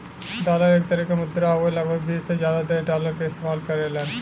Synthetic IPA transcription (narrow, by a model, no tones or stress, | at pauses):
d̪alaɾek̚t̪əɾikamud̪ɾəaʋoləɡbʱəɡbiːsezjad̪ad̪əɾɖaləɾkaɪst̪emalkəɾalaɾ